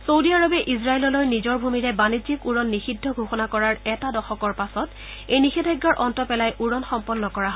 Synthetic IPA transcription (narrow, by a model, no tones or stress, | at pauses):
sowdiaɹɔbɛʔiz̬ɹaelɔlojnizɔɹbʱumiɹɛbanizikuɹɔnːixidʱːɔɡʱoxɔnakɔɹaɹɛtadɔxɔkɔɹpasɔt | ejnixidʱajɡːaɹʔɔntɔpɛlajʔuɹɔnxɔmpɔnːɔkɔɹaɦɔ